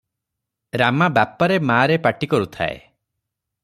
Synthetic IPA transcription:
ɾamabapɔɾemaːɾepaʈikɔɾut̪ʰa̰ḛ

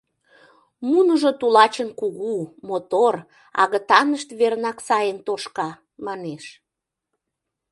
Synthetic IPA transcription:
munəʒot̪ulɑt͡ɕənkuɣumot̪or | ɑ̰ɣət̪ɑnəʃt̪βernɑksɑjənt̪oʃkɑ | mɑneʃ

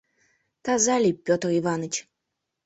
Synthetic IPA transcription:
t̪azalʲipʲjɔt̪rivanɨt͡ɕ

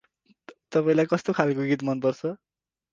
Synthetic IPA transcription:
t̪ʌpaĩlajkʌst̪okʰalkoɡit̪mʌnpʌrt͡sʰʌ

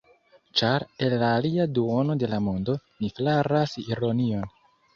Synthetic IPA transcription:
t͡ʃaɾe̞lːaːliaduo̞no̞de̞lamo̞ndo̞niflaɾasiɾo̞nio̞n

